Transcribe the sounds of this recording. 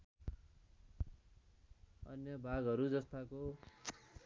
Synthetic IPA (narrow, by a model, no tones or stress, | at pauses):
ʌnjʌbʱaɡʌɾud͡zʌst̪ako